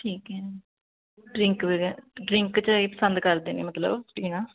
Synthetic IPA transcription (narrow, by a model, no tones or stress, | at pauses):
ʈʰiːkɦɛː | ɖɾɪŋkʋɪɖɾɪŋkt͡ʃeːpə̥sə̃nd̪kəɾd̪eːnḛːmət̪lə̰bʈiːnãː